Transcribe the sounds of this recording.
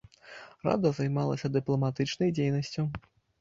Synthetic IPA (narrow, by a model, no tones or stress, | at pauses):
ra̰d̪ɐzajmalˠɐsʲɐd̪ɨplˠɐmat̪ɨt͡ʂnɐjd͡zʲejnɐsʲt͡sʲu